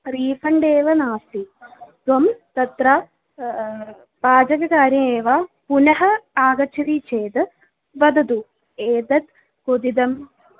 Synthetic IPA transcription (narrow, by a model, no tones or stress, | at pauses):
ɾiːfɐɳɖeːʋɐnaːsit̪ʋɐmt̪ɐt̪ɾaː | baːd͡ʒɐɡɐkaːɾjɐmeːʋaːpunɐɦɐaːɡɐt͡ʃʰɐɾit͡ʃeːd̪ɨ | ʋɐd̪ɐd̪u | eːd̪ɐt̪ | kod̪id̪ɐm